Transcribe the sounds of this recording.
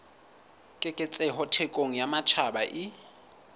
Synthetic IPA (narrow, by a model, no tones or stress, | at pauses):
kʼɪkʼɪt͡sʼɛɦɔtʰɛkʼoŋ̩jamat͡ʃʰabaʔɪ